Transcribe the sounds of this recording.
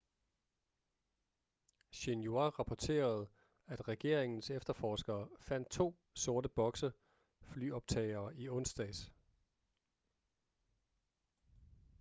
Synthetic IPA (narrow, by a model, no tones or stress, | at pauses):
ɕenjoɑʁɑ̈pʰɒt͡sʰe̝̰ːɐð̞̩ˠ | æd̥ʁɛɡ̥e̝ɐ̰eŋn̩sefd̥ɐfɒːsɡ̥ɐːfæn̰d̥̚t͡sʰo̝̰ː | so̝ɐɾəb̥ɒ̽ɡ̥sə | fly̰ːɒ̽b̥̚t͡sʰɛ̰ɪɐːiɔ̽nsd̥ɛːs